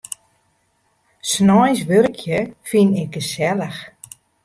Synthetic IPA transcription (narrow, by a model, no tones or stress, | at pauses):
snɔjsʋørkʰjəfinɪɡ̚ɡəsɛləx